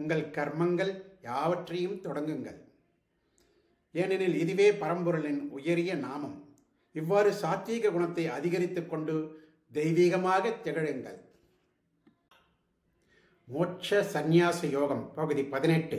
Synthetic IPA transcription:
ŋɡɐɭkɐɾmɐŋɡɐɭjaːʋɐʈrɐjɯmt̪ɔɽɐŋɡɯŋɡɐ̰ɭ | ɛnɪnɪlɪðɯʋeːpɐɾɐmbɯɾɐlɪnʊjɐɾɪjɐnaːmɐm | ɪʋːaːɾɯsaːt̪iːɣɐɡʊɳɐt̪ːɐɪɐðɪɣɐɾɪt̪ːɯkːɔɳɖɯ | d̪ɛɪʋiːɣɐmaːɣɐt̪ːɛɣɐɻɯŋɡɐ̰ɭ | moːt͡ʃɐsɐnjaːsɐjoːɣɐmpɐɣɯðipɐðɪnɛʈːɯ

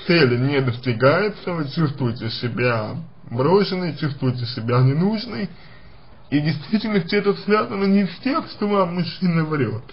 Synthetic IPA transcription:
t̪sɛlʲɪnʲed̪əsʲtʲɪɡajɪt̪səvɨt͡ɕust̪vʊjɪtʲɪsʲɪbʲa | bɾoʂɨnɨjt͡ɕust̪vʊjɪt̬ʲɪsʲɪbʲanʲɪnuʐnɨj | idʲɪjst̪vʲitʲɪlʲnəfsʲeɛt̪ət̪svʲazənənʲɪfʲtʲexʂt̪ovamːʊʂɨnəvɐɾʲot̪

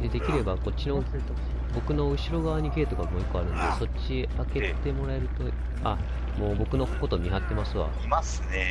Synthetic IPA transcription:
d̪ed̪e̞kʲiɾe̞bako̞tʲt͡ɕːino̞ | bo̞kɯ̟no̞ɯ̟ɕiɾo̞ɡaːɲ̟iɡe̞ːt̪o̞ɡamojikːo̞aɾɯ̟̃nd̪e̞so̞t͡ɕi | ake̞t̪e̞mo̞ɾae̞ɾɯ̟t̪o̞ | a | mo̞ːbo̞kɯ̟no̞ko̞t̪o̞mʲiɦat̪ːe̞masɨβa̰imasɨne

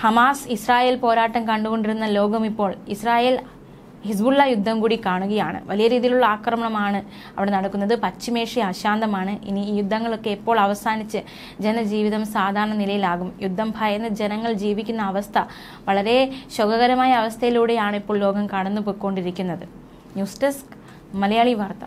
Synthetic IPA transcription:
hɐmaːsisraːje̞ːlpo̞ːɾaːʈːɐmkɐɳɖuɣo̞ɳɖiɾunːɐlo̞ːɡɐmipːo̞ːɭisraːjeːl | his̬bulːɐjud̪ʱːɐmkuːɽikaːɳuɣɐjaːɳɨ̰ʋɐlijɐɾiːðijiluɭːɐaːkrɐmɐɳɐmaːɳɨ | ɐ̰ʋiɽe̞nɐɽɐkːunːɐðɨpɐt͡ɕːime̞ːʂiɐɕaːnd̪ɐmaːɳɨʔḭnijud̪ʱːɐŋːɐɭo̞kːe̞ipːo̞ːɭɐʋɐsaːnit͡ɕːɨ | d͡ʑenɐd͡ʑiːʋiðɐmsaːd̪ʱaːɾɐɳɐnilɐjilaːɣumjud̪ʱːɐmbʱaːjɐnːɨd͡ʑe̞nɐŋːɐɭd͡ʑiːʋikʲːunːɐːʋɐst̪ʰɐ | ʋɐɭɐɾe̞ɕoɡɐɣɐɾɐmaːjɐːʋɐst̪ʰɐjiluːɽe̞jaːɳɨipːoːɭlo̞ːɡɐmkɐɽɐnːupokːo̞ːɳɖiɾikʲːunːɐðɨ | njuːstɐsk | mɐlɐjaːɭiʋaːrt̪ɐ

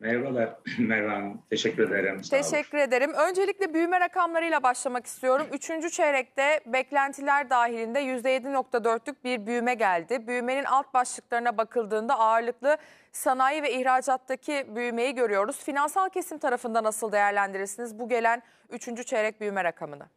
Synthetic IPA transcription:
mɛɾvalˠaɾmɛɾvat̪ʰeʃɛcʲːyɾed̪eɾmt̪ʰeʃɛcʰːyɾe̞d̪eɾimø̞nd͡ʒe̞lʲicʲlʲɛbyjmɛɾakʰamlˠaɾɯjlˠabaʃlˠamaki̥st̪ʰijo̞ɾumyt͡ʃʰynd͡ʒyt͡ʃʰeɾɛc̚t̪ɛbɛclʲænt̪ʰilʲæɾd̪aːɦilʲind̪ɛjyzd̪ɛje̞d̪ino̞kt̪ʰad̪ø̞ɾt̪lʲyc̚biɾbyjmɛɟælʲd̪ɪbyjme̞ninʔalˠt̪̚baʃlˠɯklˠaɾɯnabakʰɯlˠd̪ɯːnd̪aaːɾlˠɯklˠɯ | sanajɯvɛiçɾaːd͡ʒat̪ːacʰibyjme̞jiɟø̞ɾyjo̞ɾuz̥finansalˠcʰe̞simt̪ʰaɾafɯnd̪anasɯlˠd̪e̞jæɾlʲænd̪iɾiɾsinizbuɟe̞lʲæn | yt͡ʃʰynd͡ʒyt͡ʃʰeɾɛc̚byjmɛɾakʰamɯna

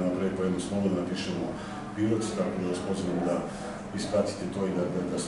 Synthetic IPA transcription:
napɾej̚pojed̪nosnˠoʋod̪anapiːʃɛmo | piɾot̪st̪akod̪aʋaspoziʋamd̪a | ispat̪i̥t̪ɛt̪oid̪ad̪ad̪as

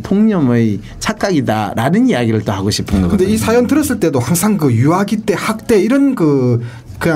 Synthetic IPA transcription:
tʰoŋɲʌmɯj | t͡ɕʰak̚k͈aɡida̰ɾanɯnijaɡiɾɯɭt͈ohaɡoɕʰi̥pʰɯnɡʌɯʌndeisʰajʌntɯɾʌs͈ɯɭt͈e̞dohaŋsʰaŋk̬ɯjuaɡit͈e̞hak̚t͈e̞iɾʌnkɯ | kɯja

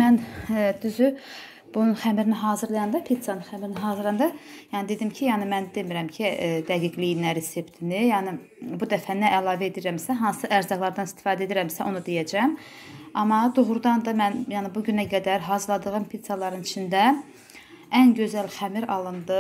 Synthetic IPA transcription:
mænd̪yzy | b̥ununχæmɾiniɦɑːzɯɾlˠɑjɑnd̪ɑpʰit̪sɑnɯnxæmɾiniɦɑːzɯɾlɑjɑnd̪ɑjɑːnid̪e̞d̪imcʰijɑːnimænd̪e̞miɾæmcʰid̪æɡiɡlijinæɾese̞pt̪ʰinijɑːni | bud̪æfænæʔːlˠɑːvæed̪iɾæmsæɦɑnsɯʔæɾzɑɡlˠɑɾd̪ɑnist̪i̥fɑːd̪ed̪iɾæmsæʔo̞nud̪ejæd͡ʒæm | ɑmɑd̪oɣɾud̪ɑnd̪ɑmænjɑːnɪbuɟynæɡæd̪æɾɦɑːzɯɾlˠɑd̪ɯʁɯmpʰit̪sɑlˠɑɾɯnit͡ʃʰind̪æ | ænɟø̞zælxæmiɾɑlˠɯnd̪ɯ

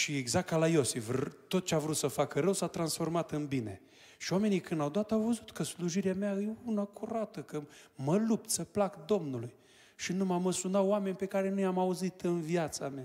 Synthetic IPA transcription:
ʃieɡzak̚kalajo̞sivt̪o̞t̪̚t͡ʃeavɾut̪səfakəɾəwsat̪ɾansfo̞rmat̪ɨnbine̞̰ | ʃiwame̞nikɨnd̪awd̪oat̪awvəzut̪kəsluʒiɾeameaɨjeunakʰuɾat̪əkəməlup̚t̪səplakd̪o̞mnuluj | ʃinumaməsunaoame̞nʲpe̞kaɾe̞nujamauzit̪ɨnviat̪samea

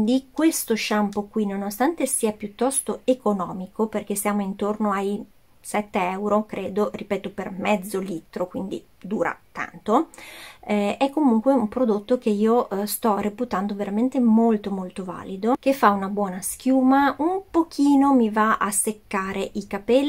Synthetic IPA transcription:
nd̪ikwest̪oʃampokwinonost̪ant̪esiːapjut̪ːɔst̪oekonɔːmikʰoperk̟esjaːmoint̪ornoaj | sɛt̪ːeɛwɾokɾeːd̪oripɛːt̪opermɛd̪zːoliːt̪ɾokwind̪ḭ | d̪uːɾa̰t̪a̰nt̪o | ɛkːomuŋkweumpɾod̪ot̪ːok̟eiːost̪ɔreput̪and̪oveɾʔament̪emolt̪omolt̪ova̰ːlid̪okefːaunabwɔːnask̟juːmaumpokʰiːnomivaʔasekːaːɾeʔikapɛlː

